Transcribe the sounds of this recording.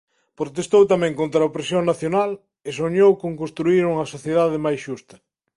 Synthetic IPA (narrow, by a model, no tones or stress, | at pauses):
pɾot̪est̪owt̪amɛ̃ŋkont̪ɾɐopɾesjoŋnaθjonal | esoɲowkoŋkõnst̪ɾuiɾuŋɐsoθjeðaðɪmajsʃust̪ɐ̥